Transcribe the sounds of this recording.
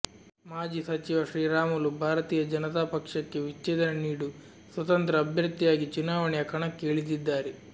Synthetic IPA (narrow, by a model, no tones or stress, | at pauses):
maːd͡ʒisɐt͡ʃiʋɐʃɾiːɾaːmulubʱaːɾɐt̪iːjɐd͡ʒɐnɐt̪aːpɐkʂɐkːe̞ʋit͡ʃːeːd̪ɐnɐniːɽu | sʋɐt̪ɐnt̪ɾɐːbʱjɐɾt̪ːijaːɡit͡ʃunaːʋɐɳɛjɐkɐɳɐkːeːɭid̪id̪ːaːɾe